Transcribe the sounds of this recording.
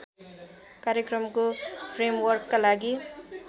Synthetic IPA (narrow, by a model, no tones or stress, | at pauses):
kaɾjekɾʌmkopʰɾemwʌrkːalaɡi